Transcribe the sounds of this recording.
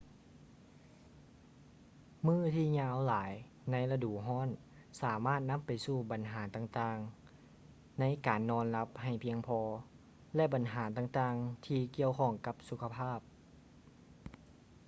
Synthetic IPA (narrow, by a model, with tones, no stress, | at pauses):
mɯː˥˩t̪ʰiː˧˩ɲaː˧˥wlaː˨˩˦j | na˧˥jla˧duː˨˩ɦɔː˧˥˨n | saː˨˩˦maː˥˩t̪̚na˧˥˨mpa˨jsuː˧˩ba˨˩nɦaː˨˦t̪aː˧ŋt̪aː˧ŋ | na˧˥jkaː˨˩nːɔː˧˥nla˧˥p̚ha˨˩jpʰi˧əŋpʰɔː˧ | lɛ˧ʔba˨nɦaː˩˦t̪aː˧ŋt̪aː˧ŋt̪ʰiː˧ki˧˩əwkʰɔ˧˩ŋka˧˦p̚su˧˦kʰa˧pʰaː˥˩p̚